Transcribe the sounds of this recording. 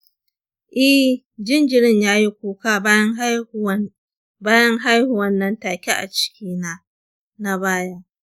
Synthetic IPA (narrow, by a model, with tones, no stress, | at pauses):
ʔɛ˦h | d͡ʒɪ˦nd͡ʒɪ˨ɽɪ˦ɲjaː˦ji˦kʷuː˦kaː˦ŋ˦ | baː˦jɐ˦ŋɦa˦jhu˨wɐ˦nːɐ˨ntaː˨kʲi˦ʔa̰˨t͡ʃɪ̥˦kʲʰiː˦na˦ | na˦baː˦ja˦